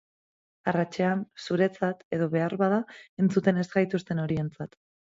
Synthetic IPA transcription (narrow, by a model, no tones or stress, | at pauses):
arat͡ʃe̞ansuɾe̞t͡sat̪e̞ð̞o̞βe̞aɾβaðae̞nt͡sut̪e̞ne̞zɡajt̪ust̪e̞no̞ɾie̞nt͡sat̪